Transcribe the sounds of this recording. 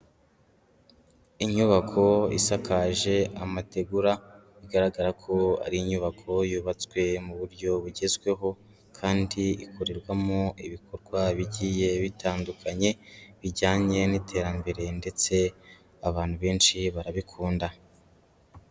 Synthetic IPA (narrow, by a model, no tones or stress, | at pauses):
iɲuβakʰo̞ḭsakaʒe̞amate̞ɡuɾa | iɡaɾaɡaɾakʰo̞a̰ɾiiɲuβakʰo̞juːβat͡swe̞muβuɾɟo̞βuɟe̞zɡwe̞ɦo̞ | kʰaːndiikʰuɾiɾɡwamoiβikʰoɾɡwaβiɟiːje̞βitʰaːndukʰaɲe̞βiɟaːɲe̞nitʰe̞ːɾambe̞ɾe̞nde̞t͡se̞ | aβaːnhuβe̞ːnʃiβaɾaβikʰuːnda